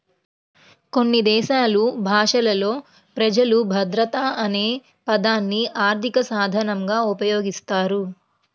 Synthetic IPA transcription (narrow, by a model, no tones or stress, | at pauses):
ko̞nːid̪ɛːʃaːlubʱaːʂɐlɐlo̞ː | pɾɐd͡ʒɐlubʱɐd̪ɾɐt̪aɐne̞ː | pɐd̪aːnːiʔaːɾt̪ʰikɐsaːd̪ʱɐnɐŋɡaːupɐjo̞ːɡist̪aːɾu